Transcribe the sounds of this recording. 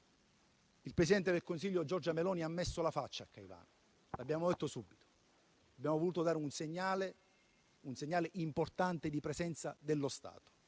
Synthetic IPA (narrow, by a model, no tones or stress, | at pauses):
ilpɾesid̪ɛnt̪ed̪elkonsiʎːod͡ʒɔrd͡ʒamelɔːniamːesːolafat͡ʃːaːkːajva̰ːno | labːjaːmod̪ɛt̪ːosubːit̪o̥ | abːjaːmovoluːt̪od̪aːɾeunseɲːal | unseɲːaːleʔimport̪ant̪ed̪ipɾɛzɛnt̪sad̪elːost̪a̰ːt̪o̥